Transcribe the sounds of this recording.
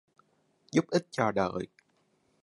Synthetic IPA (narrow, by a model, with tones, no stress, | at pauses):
zu˦˥p̚ʔi˦˥t̚t͡ɕɔ˧ɗə̰ː˧˨j